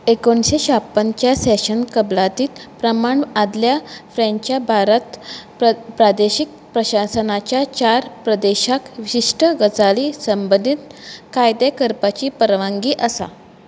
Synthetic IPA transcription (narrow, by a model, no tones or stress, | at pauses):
ekoɳɕeɕapːənt͡ɕjasɛɕənkəblat̪iːt̪pɾəmaɳad̪ljafɾɛ̃ɲt͡ɕjabʱaɾət̪ | pɾad̪eɕik̚ | pɾəɕasənat͡ɕjat͡ɕaɾpɾəd̪eɕakʋiɕiʂʈəɡət͡saliːsəmbənd̪ʱit̪kajd̪ekəɾpat͡ɕiːpəɾʋãŋɡiːʔəsa̰